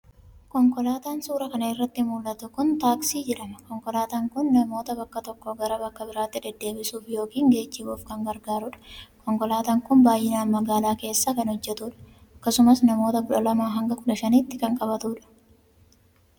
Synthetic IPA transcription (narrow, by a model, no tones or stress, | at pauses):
kɔŋkɔlaːt̪aːnsuːɾɐkɐnɐɪrːɐt̪ːɪmuːlʔɐt̪ʊkʊnt̪aːksiːd͡ʒɛᶑɐmɐkɔŋkɔlaːt̪aːŋkʊnːɐmo̞ːt̪ɐbɐkːɐt̪ɔkːoɡɐɾɐbɐkːɐbɪɾaːt̪ːɪᶑ̪ɛd̪ːe̞ːbɪsuːfjo̞ːkiːŋɡe̞ːt͡ʃːɪbuːfkɐŋɡɐɾɡaːɾʊᶑɐ̥kɔŋkɔlaːt̪aːŋkʊnbaːjːɪnaːnmɐɡaːlaːke̞ːsːaːkɐnhɔd͡ʒːɛt̪uːᶑɐ̥ | ɐkːɐsʊmɐsnɐmo̞ːt̪ɐkʊᶑɐlɐmaːɦɐŋɡɐkʊᶑɐʃɐniːt̪ːɪkɐŋkʼɐbɐt̪uᶑɐ̥